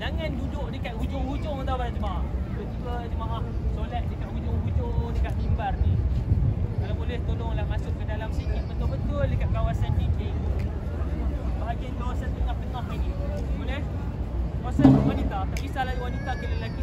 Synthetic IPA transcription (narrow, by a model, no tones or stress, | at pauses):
d͡ʒaŋãndudʊʔdəkaʔ̪ud͡ʒʊŋhud͡ʒʊŋt̪awbaɾad͡ʒəmaaʔdoʔt̪iɡəd͡ʒəmaʔahsolat̪̚dəkaʔud͡ʒʊŋhud͡ʒoŋdəkaʔkimbarni | kalabolɛht̪olʊŋlahmasʊʔkəndalamsikit̪̚bət̪ʊlbət̪ʊldəkaʔ̪̚kawasankikei | bəaɡinkawasant̪əŋaht̪ənaɦinibolɛh | asanwanit̪at̪akisalaiwanit̪akiləlaɡi